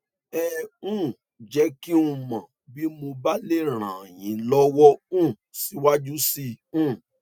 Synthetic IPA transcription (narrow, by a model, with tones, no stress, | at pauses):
ɛ˧ũ˦˨ | d͡ʒɛ˨˦ki˦ũ˧mã˨ | bi˦mo˧ba˦le˦˨ɾ̃ã˨j̃ĩ˨˦lɔ˦wɔ˦ũ˦˨si˨˦wa˦d͡ʒu˦si˧ũ˦˨